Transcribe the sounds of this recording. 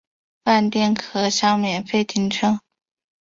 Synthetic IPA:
pa˥˧nt̪jɛ˥˩nkʰɤ˥˩ɕjɑ˥ŋmjɛ˨˩nfe˥˩ɪt̪ʰi˧˥ŋʈ͡ʂʰɤ˥ŋ

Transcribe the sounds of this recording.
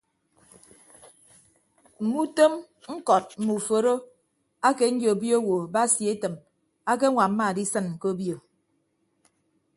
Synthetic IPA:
m̩˨mu˦to˦m | ŋ̩˦kɔ˨t̚m̩˨mu˨fo˨ɾo˦ | a˦ke˨n̩˦d͡ʒjo˨bjo˦wo˨ba˦sje˨˦tɨ˨m | a˦k̬e˦ŋʷa˨m̩˦ma˦˨di˦sɨ˦n̩˨ko˦bjo˨

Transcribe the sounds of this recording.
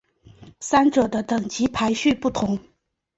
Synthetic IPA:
sa˥nʈ͡ʂɤ˨˩d̪ə˦t̪ɤ˨˩ŋt͡ɕi˧˥pʰa˧˥ɪɕy˥˧pu˥˩t̪ʰʊ˧˥ŋ

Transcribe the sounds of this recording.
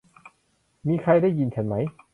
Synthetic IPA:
miː˧kʰa˧jda˥˩jːi˧nt͡ɕʰa˨˩˦nma˩˦˥j

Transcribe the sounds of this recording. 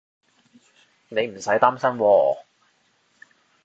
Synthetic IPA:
ne˨˧jm̩˨˩sɐ˨˥jt̪aː˥msɐ˥nwɔː˧

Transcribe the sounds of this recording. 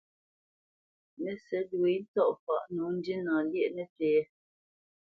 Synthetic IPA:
nɛ˨sɛ˨˦du˨i˨˦n̩˦tɔ˦ʔfa˦˨ʔnu˨˦n̩˦di˦nã˨ljɛ˦ʔnɛ˨teː˨˦

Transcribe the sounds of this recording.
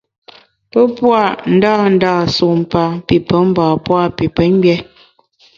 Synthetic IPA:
pə˦pwa˦˨n̩˦daː˦˨n̩˦daː˦˨su˨m˨pa˦pi˨pə˨˦m̩˦bɔː˨pwa˦˨pi˨pə˨˦ŋ˦bjɛ˦

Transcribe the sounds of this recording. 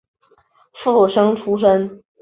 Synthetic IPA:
fu˥˩ʂɤ˥ŋʈ͡ʂʰu˥ʂə˥n

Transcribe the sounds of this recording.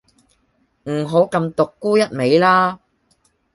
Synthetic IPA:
m̩˨˩ɦo˨˥wkɐ˧mt̪ʊ˨kːuː˥jɐ˥t̚me˨˧jlaː˥

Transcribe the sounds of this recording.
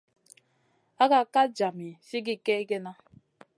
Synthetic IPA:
a˦ka˦ka˦d͡ʒa˨mi˨si˦ɡɪ˦ke˦ɡe˦na˦

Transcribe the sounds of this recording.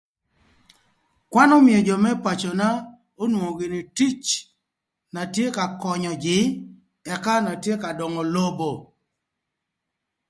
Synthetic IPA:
kwa˦nɔ˦mi˨e˨d͡ʒɔ˨mɛ˦pa˨t͡ʃo˨na˦ | o˦nwo˨ŋo˨ɡɪ˨nɪ˨ti˦t͡ʃ | na˨tje˦ka˨kɔ˨ɲɔ˨d͡ʒɪ˨˦ | ɛ˨ka˦na˨tje˦ka˨dɔ˨ŋɔ˨lo˦bo˨

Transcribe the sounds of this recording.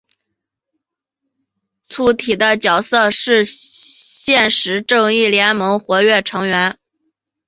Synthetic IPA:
t͡sʰu˧˥t̪ʰi˨˩d̪ə˦t͡ɕjɑ˨˩ʊsɤ˥˧ʂɻ̩˥˧ | ɕjɛ˥˩nʂɻ̩˧˥ʈ͡ʂɤ˥˧ŋi˥˩ljɛ˧˥nmɤ˧˥ŋxwɔ˧˥ɥɛ˥˩ʈ͡ʂʰɤ˧˥ŋɥɛ˧˥n

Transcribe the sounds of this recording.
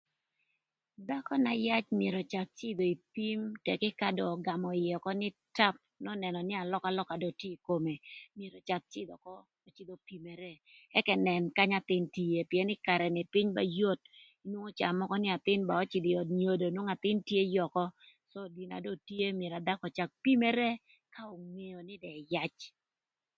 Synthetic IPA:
d̪a˦kɔ˦na˨ja˦t͡ʃmɪje˨ɾɔ˨t͡ʃa˨t̚t͡ʃɪ˦d̪o˨i˨pi˦mtɛ˨kɪ˦ka˦dɔ˨ɡa˨mɔ˨ɪjɔ˨kɔ˦nɪ˦ta˦p̚nɔ˦nɛ˨nɔ˨nɪ˦a˨lɔ˦ka˦lɔ˦ka˨dɔ˨tje˦i˨ko˨me˨mje˨ɾo˨t͡ʃa˨t̪̚t͡ʃɪ˦d̪ɔ˨kɔː˦˨ | t͡ʃɪ˦d̪o˨pi˨me˨ɾe˦ | ɛ˦kɛ˨nɛ˨nka˦ɲa˦t̪ɪ˦nti˨je˨pjɛ˦nɪ˦ka˨ɾɛ˨nɪ˨pɪ˦ɲba̰˦jo˦t̚ | i˦nwo˦ŋo˦t͡ʃa˨mɔ˦kɔ˦nɪ˦a˨t̪ɪ˦nba˨ɔ˦t͡ʃɪ˨d̪ɪ˨ɔ˨dɲo˨do˨nwo˦ŋa˨t̪ɪ˦ntje˦jɔ˨kɔ˦ | sɔ˦di˨na̰˨do˦tje˦mje˨ɾa˨d̪a˦kɔ˨t͡ʃa˨k̚pi˦me˦ɾe˦ | ka˦o˨ŋe˨jo˨nɪ˦dɛ˨ja˦t͡ʃ

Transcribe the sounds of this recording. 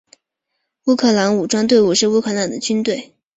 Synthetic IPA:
u˥kʰɤ˥˩la˧˥ŋu˨˩ʈ͡ʂwa˥nt̪we˥˧ɪu˥˩ʂɻ̩˥˧u˥kʰɤ˥˩la˧˥nd̪ə˦t͡ɕy˥nt̪we˥˩ɪ

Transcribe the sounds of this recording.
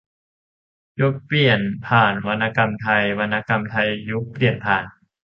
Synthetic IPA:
ju˦˥k̚pli˨˩ənpʰaː˨˩nwa˧nːa˧ka˧mt̪ʰa˧jwa˧nːa˧ka˧mt̪ʰa˧jːu˦˥k̚pli˨˩ənpʰaː˨˩n

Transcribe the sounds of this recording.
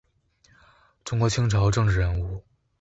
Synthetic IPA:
ʈ͡ʂʊ˥ŋkwɔ˧˥t͡ɕʰi˥ŋʈ͡ʂʰɑ˧˥ʊʈ͡ʂɤ˥˧ŋʈ͡ʂɻ̩˥˩ɻə˧˥nu˥˩

